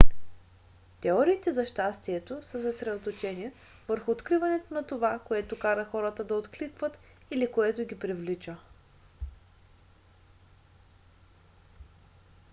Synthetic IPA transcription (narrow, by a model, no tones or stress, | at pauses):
t̪ɛɔɾiːt̪ɛzɐʃt̪ast̪iɛt̪osəsɐsɾɛd̪ot̪ot͡ʃɛni | vəɾxʊːt̪kɾivɐnɛt̪onɐt̪ovakoɛt̪ʊkaɾəxɔɾət̪əd̪ɐot̪klikvət̪ | ilikoɛt̪ʊɡʲipɾivlit͡ʃə